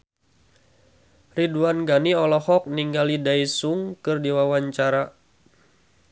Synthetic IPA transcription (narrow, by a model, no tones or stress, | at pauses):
riduanɡaniɔlɔhɔk̚niŋɡalidaisuŋkɨrdiwawaɲt͡ʃaɾa